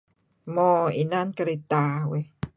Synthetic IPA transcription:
mɔinankaɾit̪awe

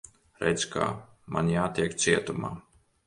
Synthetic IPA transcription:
ɾɛ̰t̪ska̰ː | mʔanjaːt̪iɛkt̪siɛt̪uma̰ː

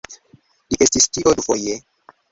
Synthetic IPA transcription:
liʔestistiʔodufoje

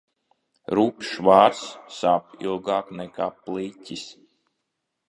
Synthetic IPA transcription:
ɾuːpʃvaːɾsːaːpḭlˠɡaːknɛkaːplˠitʲis

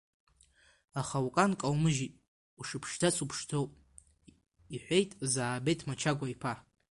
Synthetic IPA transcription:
aχawkʼankʼawmɨʒitʼ | uʂɨpʰʂdat͡sʰupʰʂtʰowpʼ | iħʷejtʼzaːbejtʰmat͡ʃʰaɡʷaipʰa

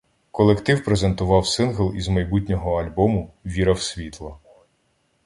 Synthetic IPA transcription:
kɔlˠekt̪ɪwpɾezent̪ʊʋɑwsɪnɦɔlˠizmɐjbut̬ʲnʲɔɦɔɐlʲbɔmʊʋʲiɾɐwsʲʋʲit̪lˠɐ

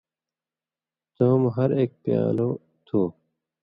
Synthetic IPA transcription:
t̪omɦɐɾeːk̚pja̰ːloː | t̪ʰoː

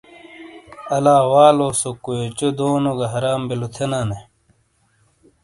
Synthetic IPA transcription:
ɐlaːwaːloːsokujot͡ɕod̪oːnoɡɐɦɐɾaːmbilut̪ʰenaːne

